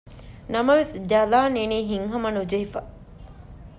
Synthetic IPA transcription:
nɐmɐʋesd̪ɐlaːniniːɦiŋɦɐmɐnud͡ʒɐɦifɐ

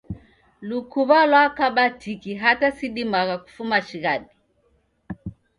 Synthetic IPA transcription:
lukuβalwakaɓatʰikiɦatasiɗimaɣaku̥fumaʃiɣaɗi

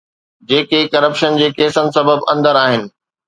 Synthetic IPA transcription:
d͡ʑeːkekɐɾəpʃənd͡ʑeːkeːsənɪ̆sɐbəbɐ̰̃nd̪əɾaːɦɪnɪ̆

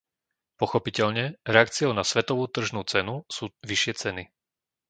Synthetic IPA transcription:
pɔxɔpicɛʎɲɛɾɛak̚t͡siɔʊnasʋɛt̪ɔʋuːt̪r̩ʒnuːt͡sɛnusuːʋiʃɪɛt͡sɛni

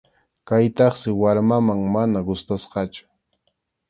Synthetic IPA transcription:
kajt̪ɑχsɪwaɾmamaŋmanaɡʊst̪asqɑt͡ʃʊ̥

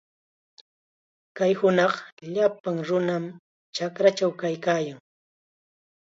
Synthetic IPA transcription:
kajhʊnɑχʎapaŋɾʊnam | t͡ʃakɾat͡ʃawkajkaːjaŋ

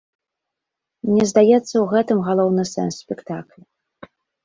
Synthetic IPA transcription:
nʲɛzd̪ajɛt̪sːɐwɣɛt̪ɨmɣalˠɔwnɨsɛ̰nsːʲpʲɛkt̪aklʲu

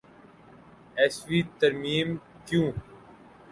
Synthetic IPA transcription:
ɛːsʋiːt̪ɐɾmĩːm | kjũː

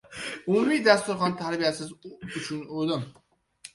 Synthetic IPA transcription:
ʊmumijd̪ast̪ʊɾχɒnt̪ʰaɾbijasɪzʊt͡ʃʰʊnod̪ɪm

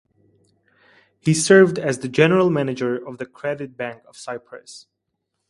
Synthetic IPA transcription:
hisɜ˞vd̪æzðɨd͡ʒɛnəɹəlˠmænɨd͡ʒəɹɔvðəkʰɹɛdɪt̪̚bæ̃ŋkɔv̥saɪpʰɹə̰s

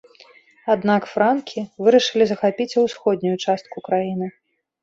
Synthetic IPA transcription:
ad̪nakfɾankʲʰivɨɾɐʂɨlʲizɐxapʲit͡sʲɐwsxɔd̪ʲnʲujut͡ʂast̪̚kukɾajinɨ

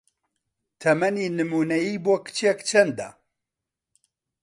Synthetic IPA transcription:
t̪ʰɛmɛniːnɨmuːnɛjiːboːkɨ̥t͡ʃʰekt͡ʃʰɛnd̪ɐ̰

